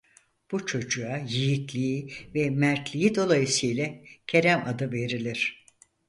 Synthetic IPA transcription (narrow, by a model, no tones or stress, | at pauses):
b̥ut͡ʃʰo̞d͡ʒuajijit̪lʲiivɛmæɾt̪lʲijid̪o̞lˠajɯsɯjlʲɛcʰeɾæmad̪ɯve̞ɾilʲiɾ̥